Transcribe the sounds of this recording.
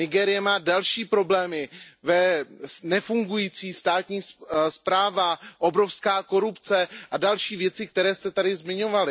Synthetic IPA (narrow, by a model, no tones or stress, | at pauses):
nɪɡɛːɾɪjɛmaːdalʃiːpɾo̞blɛːmɪvɛnɛfuŋɡujiːt͡siːst̪aːt̪ɲiːspɾaːvaʔo̞bɾo̞fskaːko̞ɾupt͡sɛʔadalʃiːvjɛt͡sɪk̚t̪ɛɾɛːst̪ɛt̪adɪzmɪɲo̞valɪ